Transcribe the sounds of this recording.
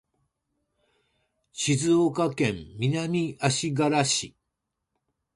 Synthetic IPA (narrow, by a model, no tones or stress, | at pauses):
ɕizɨokakẽ̞mmʲinamʲiaɕiɡaɾaɕi